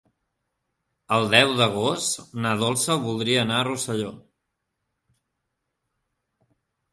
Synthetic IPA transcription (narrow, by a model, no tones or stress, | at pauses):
əlˠd̪ɛwðəɣ̞ost̪t̪nað̞olˠsəlβulˠd̪ɾiəːnaərusəʎo